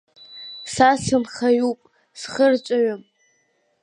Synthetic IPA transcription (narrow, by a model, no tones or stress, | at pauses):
sasɨnχajupʼ | sχərt͡ʃʷʼaɥam